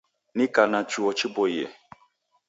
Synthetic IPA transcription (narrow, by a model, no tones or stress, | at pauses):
nĩkanãt͡ʃuɔt͡ʃibɔjɛ